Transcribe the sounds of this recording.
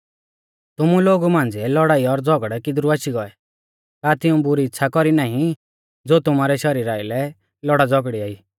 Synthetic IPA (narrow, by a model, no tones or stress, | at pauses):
t̪ʊmuloːɡumãːnd͡ziɛlɔɽaːiɔɾd͡zɔɡəɽɛkɪd̪ɾuaʃiɡɔɛ | k̪aːt̪ɪũbʊɾiɪtːʃʰakɔɾinaːɦĩ | d͡zoːt̪ʊmaːɾɛʃɔɾiːɾaːɪlɛ | lɔɽad͡zɔɡɽiaːiː